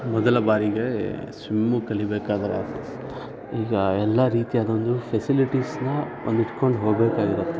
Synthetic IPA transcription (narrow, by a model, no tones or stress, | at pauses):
mɔd̪ɐlɐbaːɾiɡesʋimːukɐɭibeːkaːd̪ɐɾeaɾt̪ːe | iːɡɐɛlːɐɾiːt̪ijaːd̪o̞nd̪upʰesiliʈisnɐ | o̰nd̪iʈko̞ɳɖɦoːɡbeːkaːɡiɾut̪ːe